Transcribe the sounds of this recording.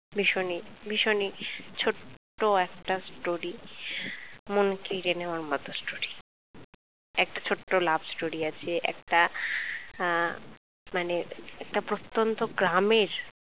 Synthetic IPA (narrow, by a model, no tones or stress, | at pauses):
bʱiʃonibʱiʃonit͡ɕʰoʈː | oɛk̚ʈasʈoɾi | monkeɾenewaɾmɔt̪osʈoɾi | ɛk̚ʈat͡ɕʰoʈːolabʱsʈoɾiat͡ɕʰeʔɛ̰kʈa | maneɛk̚ʈapɾot̪ːont̪oɡɾameɾ